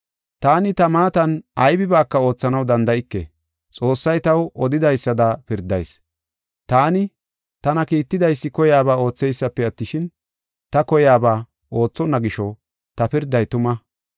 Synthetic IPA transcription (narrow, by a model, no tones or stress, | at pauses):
t̪aːnɪt̪ɐmaːt̪ɐnɐjbɪbaːkːɐo̞ːt͡sːɐnɐwd̪ɐnd̪ɐɪkːḛ | t͡sʼo̞ːsːɐjt̪ɐwɔd̪ɪd̪ɐjsːɐd̪ɐpɪɾd̪ɐ̰js | t̪aːnɪ | t̪ɐnɐkiːt̪ːɪd̪ɐjsːɪkɔjaːbaːo̞ːt͡sːɛjsːɐpːɛɐt̪ːɪʃɪn | t̪ɐkɔjaːbaː | ʔo̞ːt͡sːɔnːɐɡɪʃɔ | t̪ɐpɪɾd̪ːɐjt̪ʊmɐ